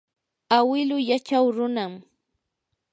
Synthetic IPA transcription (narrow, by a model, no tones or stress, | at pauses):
awɪlʊjat͡ʃawɾʊnam